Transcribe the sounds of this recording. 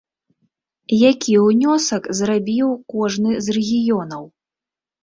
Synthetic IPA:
jakʲiwnʲɔsɐkzrabʲiwkɔʐnɨzrɛɣʲijɔnɐw

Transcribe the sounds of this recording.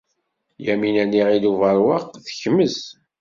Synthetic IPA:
jæminæniʁiluvəɾˤwɑqːθə̥çəməz

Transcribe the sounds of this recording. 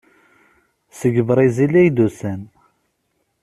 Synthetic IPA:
səɡəvɾˤizilæjd̪usæn

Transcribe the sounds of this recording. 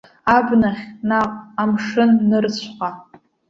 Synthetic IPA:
abnaχʲnaqʼamʂɨnːɨrt͡ɕʷʰqʼa

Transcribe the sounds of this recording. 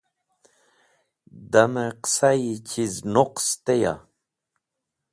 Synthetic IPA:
d̪ameqsajit͡ɕʰiznoqst̪eja̰

